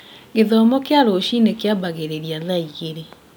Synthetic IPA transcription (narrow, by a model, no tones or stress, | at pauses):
ɡeðɔmɔkeaɾoʃinekeabaɣeɾeɾiaðaiɣeɾe